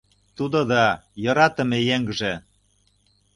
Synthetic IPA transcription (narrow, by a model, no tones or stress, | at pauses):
t̪ud̪ŏd̪ɑjɤ̆ɾɑt̪ə̆mĕjeŋɡʒĕ